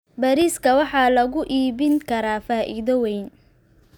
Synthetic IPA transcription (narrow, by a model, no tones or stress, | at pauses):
baːɾiːskʰɐwɑħɑːlɐɣʊʔiːbɪŋkʰɐɾaːfaːʔiːðɐwɛjn